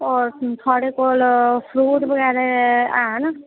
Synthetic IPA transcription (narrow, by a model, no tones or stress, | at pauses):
ɔɾt̪ʰɔɽekolpʰɾuʈbʌɡaɾeaɦnʌ